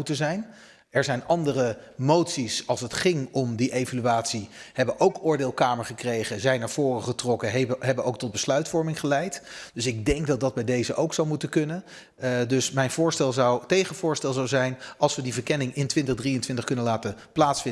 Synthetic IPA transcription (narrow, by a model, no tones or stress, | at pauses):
utəzɛjn | ɛɹzɛjnɑndərəmowtsisɑlˠsətχɪŋɔmdiʔejvalyaːtsiɦɛbəʔowkʊːɹdɪːlˠkaːməɹχəkrejχəzɛjnaːɹv̥ʊːrəχətrɔkəɦɛbənoʊwk̚tɔd̚bəslœɥtfɔɹmɪŋχəlɛjtd̥ɵsɪɡ̚dɛŋkdɑd̚dɑd̚bɛjdejzəʔowksɑwmutəkɵnən | dɵsmɛjnvʊːɹstɛlˠzɑwtejχənvʊːɹstɛlˠzawzɛjnɑlˠsʋədivəɹkɛnɪŋɪntʋɪntəχdrijəntʋɪntəχkɵnənlaːtəplaːtsfɪ